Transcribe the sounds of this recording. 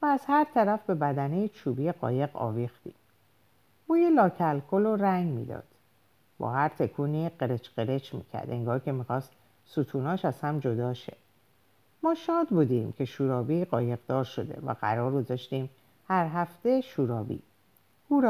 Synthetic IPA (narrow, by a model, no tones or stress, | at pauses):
væːzhæɾt̪ʰæɾæfbe̞bæd̪ænejet͡ʃʰuːbiːjeɢɒ̰ːje̞ɣɒ̰ːvixt̪ḭːm | buːjelɒːcʰælkʰoloɾæŋɡmḭːd̪ɒ̰ːd̪̥ | b̥ɒ̰ːhæɾt̪ʰe̞kʰuːniɢeɾet͡ʃʰɢe̞ɾe̞t͡ʃʰmḭːcʰæ̰ɾd̪eŋɡɒːɾkʰe̞miːxɒːst̪ | sut̪ʰuːnɒːʃæz̥hæmd͡ʒo̞d̪ɒːʃḛ | mɒːʃɒːd̪buːd̪iːmcʰe̞ʃuːɾɒːbiɢɒːje̞ɣd̪ɒːɾʃo̞d̪e̞̰væ̰ɣæ̰ɾɒːɾɡozɒːʃt̪iːm | hæɾɦæft̪e̞ʃuːɾɒːbḭː | uːɾ